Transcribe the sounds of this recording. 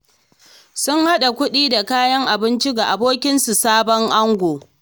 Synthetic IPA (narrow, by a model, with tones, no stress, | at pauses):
sʊ˦ŋha˦ɗa˨kʷʊ˦ɗiː˦da˨kaː˦jɐ˦ŋʔa˨bɪ˦nt͡ʃɪ˦ɡa˨ʔa˨boː˦kʲɪ˦nsu˨saː˦bɔ˦ŋʔa˦ŋɡʷoː˨